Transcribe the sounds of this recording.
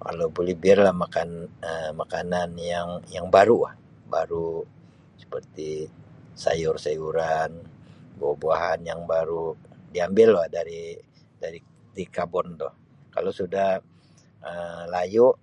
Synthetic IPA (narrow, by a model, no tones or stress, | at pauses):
ka̰lowbolɛhbiarlahmakanəmakananjaŋjaŋbaɾua̰h | baɾu | sə̥pərt̪i | sa̰jʊrsajuɾanbobuaɦanjaŋbaɾudiambɪlahdaɾi | daɾi | t̪ikabɔnt̪ɔ̰h | ka̰losudah | əlajuʔ